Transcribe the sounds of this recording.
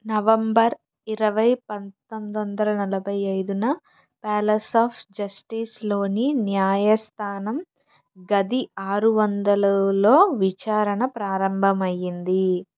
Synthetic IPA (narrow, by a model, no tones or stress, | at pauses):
nɐʋɐmbɐɾ | iɾɐʋɐjpɐnt̪omd̪ʋɐnd̪ɐlɐnɐlɐbʱɐjɐjd̪unɐ | pɛːlɐsaːpʰd͡ʒɐsʈislo̞ːninjaːjɐst̪ʰaːnɐm | ɡɐd̪iaːɾuʋɐnd̪ɐlulo̞ːʋit͡ʃaːɾɐɳɐpɾaːɾɐmbʱɐmɐjːind̪i